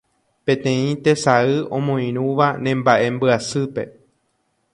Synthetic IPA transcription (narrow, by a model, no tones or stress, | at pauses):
pẽ̞t̪ẽ̞ĩt̪esaɨʔõ̞mõĩɾ̃ũʋanẽ̞mbaʔe̞mbɨasɨpe̞̰